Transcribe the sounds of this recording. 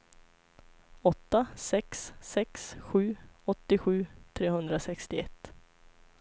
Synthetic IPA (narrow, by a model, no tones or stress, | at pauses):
ɔt̪ːasɛksːɛksɧʉ̟ːɔt̪ːɪɧʉ̟ːt̪ʰɾeːhɵnd̪ɾasɛkst̪ɪɛ̰t̪ː